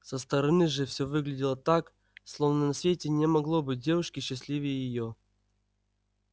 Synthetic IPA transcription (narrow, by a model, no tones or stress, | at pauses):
səst̪əɾɐnɨʐɨfsʲovɨɡlʲɪdʲɪlˠət̪ak | slˠovnənɐsvʲetʲɪnʲɪmɐɡlˠobɨt̚ʲdʲevʊʂkʲɪɕːɪsʲlʲivʲɪjəjɪjo